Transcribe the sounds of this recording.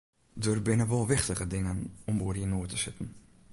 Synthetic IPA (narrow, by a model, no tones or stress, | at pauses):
dərbɪnəʋolˠʋɪxtəɣədɪŋənɔmboːhinoətəsɪtn̩